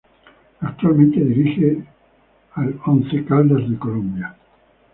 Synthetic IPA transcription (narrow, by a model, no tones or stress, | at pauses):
akt̪ualmẽnt̪eðiɾixe | alonθekald̪eɾðekolõmbja